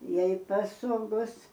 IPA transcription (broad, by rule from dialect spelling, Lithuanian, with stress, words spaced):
ˈjɛɪ pɐˈsoːɡoːs